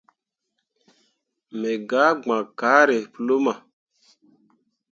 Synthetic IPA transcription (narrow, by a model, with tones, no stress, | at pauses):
mɛ˨ɡa˨˦ɡ͡bã˨kaː˨˦ɾe˨plo˦ma˨